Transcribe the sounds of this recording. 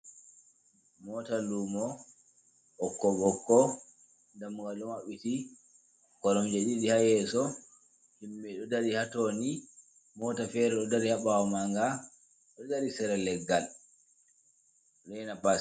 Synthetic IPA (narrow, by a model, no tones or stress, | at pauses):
mɔtalumɔ | hɔkːɔbɔkːɔ | ndamuŋɡalɔmwaɓiti | kɔɾɔmd͡ʒaɗiɗihajɛsɔ | himːɛɗɔdaɾihatoni | mɔtafɛɾɛɗɔdaɾihaɓawɔmaŋɡa | ɗɔdaɾisɛɾɛlɛɡːal | ɗɛnapa